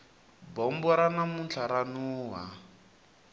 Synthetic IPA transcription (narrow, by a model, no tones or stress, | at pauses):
bɔmbɔɾanamunt͡ɬʰaɾanuːwa